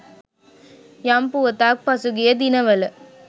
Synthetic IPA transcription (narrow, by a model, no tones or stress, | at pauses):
jampuɐt̪aːk̚pɐsuɡijɐd̪inɐʋɐlɐ